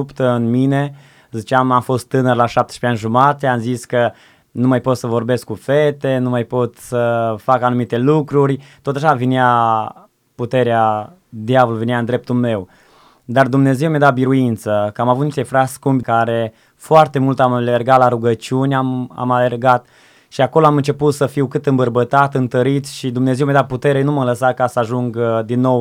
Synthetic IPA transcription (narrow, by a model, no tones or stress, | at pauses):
upt̪əɨnmine̞ | zit͡ʃamamfo̞st̪ːɨnərlaʃap̚t̪e̥ʃpeanʲʒumat̪eamziskə | numajpo̞t̪səvo̞rbe̞skːufe̞t̪e̞numajpo̞t̪səfakanumit̪e̞lukɾurʲt̪ot̪aʃavenea | put̪e̞ɾea | d̪javoluveneaɨnd̪ɾe̞p̚t̪ulme̞w | d̪ard̪umne̞ze̞wmjad̪abiɾuint̪səkəamavut̪niʃt̪efɾaskumbʲkaɾe̞ | foart̪e̞mult̪amlerɡat̪laɾuɡət͡ʃiunʲama̰male̞rɡat̪ | ʃiako̞loamɨnt͡ʃe̞put̪səfiwkɨt̪ɨmbərbət̪at̪ɨnt̪əɾit̪sʃid̪umne̞zewmjad̪aput̪e̞ɾenumələsakasəaʒuŋɡd̪inːo̞w